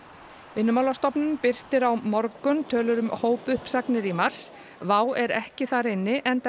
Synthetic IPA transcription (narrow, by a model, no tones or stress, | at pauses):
vɪnːʏmawlast̪ɔpnʏmpɪr̥t̪ɪɾawmɔɾkʏnt̪ʰœːlʏɾʏmhoːwpʏhpsaknɪɾimaɾ̥s | vaːwɛɾɛhcɪθaɾɪnːɪʔɛnt̪